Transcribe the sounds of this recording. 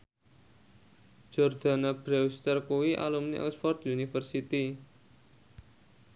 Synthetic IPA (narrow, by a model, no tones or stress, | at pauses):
d͡ʒ̥ɔrd̪̥a̤nab̥ɾɛwst̪ərkuwiʔa̰lumnḭʔɔ̰sfɔrt̪junifərsit̪i